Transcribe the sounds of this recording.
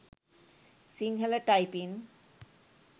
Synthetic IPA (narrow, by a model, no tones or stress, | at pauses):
siŋɦeleʈajpin